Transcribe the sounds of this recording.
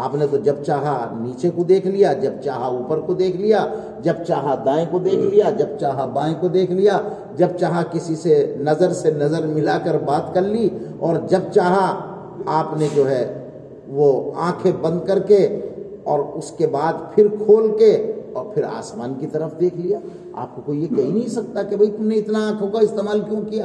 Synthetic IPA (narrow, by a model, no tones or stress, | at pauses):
aːpnet̪od͡ʒɐb̚t͡ʃaːɦaniːt͡ʃekod̪eːkʰlijad͡ʒɐbt͡ʃaːɦauːpəɾkod̪eːkʰlija | d͡ʒɐbt͡ʃaːɦad̪ãːẽkod̪eːkʰlijad͡ʒɐb̚t͡ʃaːɦabãːẽkod̪eːkʰlija | d͡ʒɐb̚t͡ʃaːɦakɪsisenɐzəɾsenɐzəɾmɪlakəɾbaːt̪kɐɾliɔːɾd͡ʒɐb̚t͡ʃaːɦa | aːpned͡ʒoːɦɛ | ʋoã̰ːkʰẽbɐ̃nd̪̚kɐɾke | ɔːɾʊskebaːd̪pʰɪɾkʰoːlkeɔːɾpʰɪɾa̰ːsmaːnkit̪ɐɾəfd̪eːkʰlija | a̰ːp̚kokoijekɐɦĩnɐɦĩsɐk̚t̪akebʱɐit̪ʊmneɪt̪naãːkʰɦoːɡaɪst̪eːmaːlkjõːkijaː